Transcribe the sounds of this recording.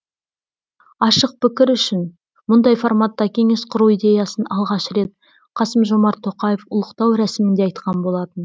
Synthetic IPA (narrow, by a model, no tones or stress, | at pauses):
ɑʃəq̚pɪkʲɪɾʏʃɪn | mʊnd̪ɑjfoɾmat̪ːɑkʲʰe̞ŋe̞sqʰʊɾuwijd̪ʲe̞jɑsənɑlˠʁɑʃɾe̞t̪̚ | qʰɑsəmʒo̞mɑɾt̪ʰːo̞qɑjefʊlˠəqt̪ɑwɾæsɪmɪnd̪e̞ɑjt̪qɑnbo̞lˠɑt̪ən